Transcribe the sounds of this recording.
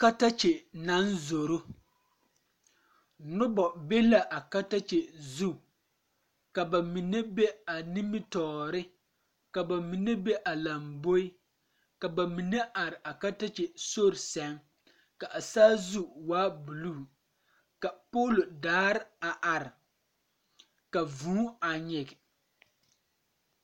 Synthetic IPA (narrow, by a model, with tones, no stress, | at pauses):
ka˦ta˦t͡ʃe˨na˦nzo˨ɾo˦ | nʊ˦bɔ˨be˦la˦ʔa˨ka˦ta˦t͡ʃe˨zu˦ | ka˨ba˨mi˨ne˦be˦a˨ni˦mɪ˦tɔː˨ɾɪ˦ | ka˨ba˨mi˨ne˦be˦ʔa˨la˨mbo˦ɪ˦ | ka˨ba˨mi˨ne˦ʔa˨ɾɪ˨ʔa˨ka˦ta˦t͡ʃe˨so˦ɾɪ˨sɛ˨ŋ | ka˨ʔa˨saː˦zu˦waː˦bu˨lu˦˨ | ka˨poː˦ldaː˦ɾɪ˦a˨ʔa˨ɾɪ˨ | ka˨vũː˦a˨ɲɪ˨ɡɪ˨